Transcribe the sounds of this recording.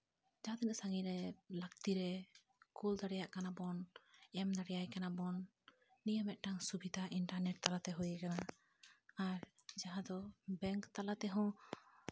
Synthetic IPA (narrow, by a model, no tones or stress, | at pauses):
d͡ʒaɦãd̪ɔnəʔsaŋiɾɛlakt̪iɾɛ | kuld̪aɽɛjaʔkanabɔnɛmd̪aɽɛjajkanabɔnː | ijəmɛʔ̪̚ʈaŋsubid̪ʱaʔiɳʈaɾnɛʈ̚t̪alat̪ɛɦujɛkanaː | ɾd͡ʒaɦãd̪ɔbɛŋkt̪alat̪ɛɦɔ̃